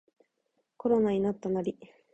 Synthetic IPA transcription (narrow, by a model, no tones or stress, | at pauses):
ko̞ɾo̞naɲ̟inat̪ːanaɾʲi